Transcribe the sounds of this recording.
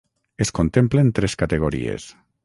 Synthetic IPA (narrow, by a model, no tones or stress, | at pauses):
eskont̪emplent̪ɾeskat̪eɣ̞oɾḭḛs